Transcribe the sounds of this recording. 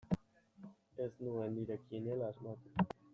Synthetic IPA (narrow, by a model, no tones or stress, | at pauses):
esnuend̪iɾekjenelazmat̪